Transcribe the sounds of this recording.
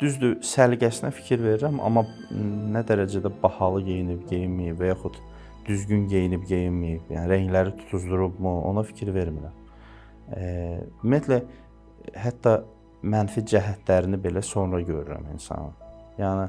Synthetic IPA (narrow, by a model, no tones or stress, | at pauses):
d̪̥yzd̪ysælɟæsinæfi̥cʰiɾve̞ɾiɾæmɑ̰mːɑnæd̪æɾæd͡ʒæd̪æbɑhɑlˠɯɟe̞jinibɟejinmijipvæjɑxut̪ | d̪̥yzɟynɟe̞jinibɟejinmijibjæniɾæɲlæɾit̪ʰu̥t̪ʰuzd̪uɾubmuo̞̰nɑfi̥cʰiɾve̞ɾmiɾæm | ymijæt̪ʰlæ | ɦæt̪ːɑ | mænfid͡ʒæɦæt̪læɾinibe̞læso̞nɾɑɟø̞ɾyɾæ̰mḭnsɑ̰nɯ̰ | jæːni